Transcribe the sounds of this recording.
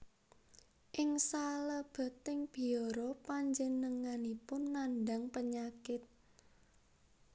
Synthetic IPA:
ʔɪŋsaləb̥ə̤t̪ɪŋb̥i̤oɾopaɲd͡ʒənəŋanipʊnːanɖaŋpəɲakɪt̪̚

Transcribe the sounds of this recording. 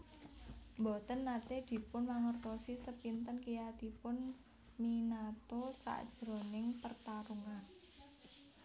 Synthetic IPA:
mbɔt̪ənːat̪ed̪̥i̤pʊnmaŋərt̪osisəpint̪ənkijat̪ipʊn | minat̪osa̰ʔd̥ʒ̥ɾo̤nɪŋpərt̪aɾuŋan

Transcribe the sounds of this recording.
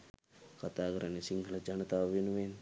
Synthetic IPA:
kɐt̪aːɡɾanisiŋɡʱɐlɐd͡ʒɐnɐt̪aʋinʋen

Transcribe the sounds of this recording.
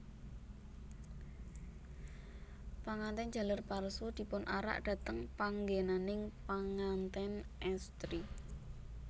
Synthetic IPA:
paŋant̪ɛn̥d͡ʒ̥a̤lərparsud̪̥i̤pʊnʔaɾa̰ʔd̥a̤t̪əŋpaŋɡenanɪŋpaŋant̪ɛnʔɛst̪ɾi

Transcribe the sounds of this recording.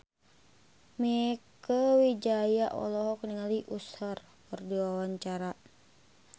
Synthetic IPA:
miɛkəwid͡ʒajaʔɔ̰lɔɦɔkniŋaliʔusar | pɔrdiwawaɲt͡ʃaɾa

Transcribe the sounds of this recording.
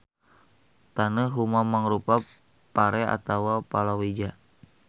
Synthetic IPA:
t̪anəɦumamaŋɾupa | paɾɛa̰t̪awapalawid͡ʒa

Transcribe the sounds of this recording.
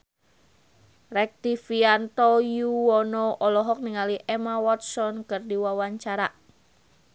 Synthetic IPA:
rɛk̚t̪ifiant̪ɔjuwɔnɔɔlɔɦɔk̚niŋaliʔɛmawɔt̪̚sɔnkɨrdiwawaɲt͡ʃaɾa

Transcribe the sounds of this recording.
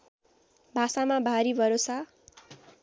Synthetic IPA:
bʱasamabʱaɾibʱʌɾosa

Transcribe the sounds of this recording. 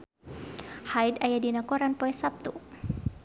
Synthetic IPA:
hajdajadinakɔɾanpɔɛsap̚t̪u

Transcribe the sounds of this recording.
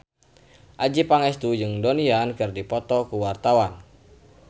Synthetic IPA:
ʔad͡ʒipaŋɛst̪ud͡ʒɨŋdoniankɨrdipɔt̪ɔkuwart̪awan

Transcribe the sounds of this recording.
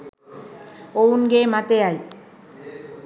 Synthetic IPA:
ownɡemat̪eaj

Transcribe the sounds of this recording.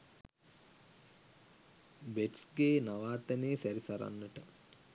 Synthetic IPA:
beʈsɡeːnaʋaːt̪ɐneːsæɾisɐɾa̰nːəʈə

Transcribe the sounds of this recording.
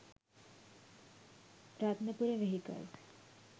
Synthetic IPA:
ɾaːt̪mẽpuɾeʋeɦikə̰lt̪

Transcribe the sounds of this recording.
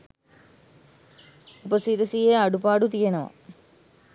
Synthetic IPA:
upɐsit̪ɐsijeaɖupaːɖut̪ijenɐʋɐ̰

